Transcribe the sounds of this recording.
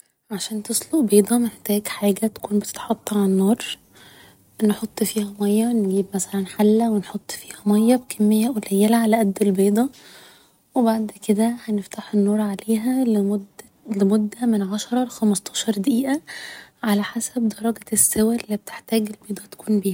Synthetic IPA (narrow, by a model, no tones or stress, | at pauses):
ʕaʃæːnt̪esˤloʔbiːd̪ˤɑmeħt̪æːɡħaːɡæt̪æ̥kuːnbet̪e̥t̪ħɑt̪ˤːɑʕalænːɑːɾˤ | nħot̪ˤːfiːhæmɑjːɑnɡiːbmæsælænħalːæwenħot̪ˤːfiːhæmɑjːɑbkʰæmːejːæʔolæjːælʕalæʔæd̪ːelbiːd̪ˤɑ | webaʕd̪ked̪æhæneft̪aħenːoːɾˤʕaleːɦæd | lemod̪ːæmenʕaʃɑɾˤɑxæmɑst̪ˤɑːʃɑɾˤd̪æʔiːʔæʕalæħasæb̚d̪ɑɾˤɑɡæsːewælːibet̪ʰe̥ħt̪æːɡelbiːd̪ˤɑt̪æ̥kuːnbiːhæ